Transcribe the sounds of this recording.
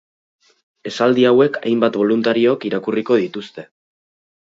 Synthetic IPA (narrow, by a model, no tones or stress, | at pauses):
e̞sald̪iawe̞kʰa̰jmbat̪βo̞lunt̪aɾiokiɾakuriko̞ð̞it̪ust̪e̞